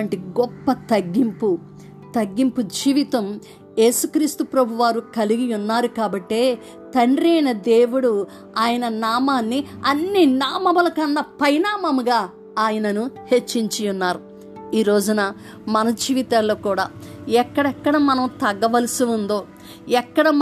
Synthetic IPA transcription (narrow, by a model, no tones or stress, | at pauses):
ɐɳʈiɡɔpːɐt̪ɐɡːimpu | t̪ɐɡːimpud͡ʒiːʋit̪ɐm | je̞ːsukɾiːst̪upɾɐbʱuʋaːɾukɐliɡijunːaːɾukaːbɐʈːe̞ː | t̪ɐɳɖɾɐjnɐd̪eːʋuɽu | aːjɐnɐnaːmaːnːiɐnːinaːmɐmɐlɐkɐnːɐpɐjnaːmɐmuɡaː | aːjɐnɐnuhe̞t͡ʃːiɲt͡ʃijunːaːɾu | iːɾo̞ːd͡ʒunɐ | mɐnɐd͡ʒiːʋit̪aːlːoːkuːɽaːɛkːɐɽɛkːɐɽɐmɐnɐmt̪ɐɡːɐʋɐlisiund̪o̞ː | ɛkːɐɽɐ